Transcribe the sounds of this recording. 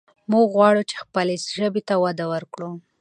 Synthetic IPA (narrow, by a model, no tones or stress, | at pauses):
muɡɣwɑɽut͡ʃe̥xpəlesʒəbet̪awad̪awəɾkɽu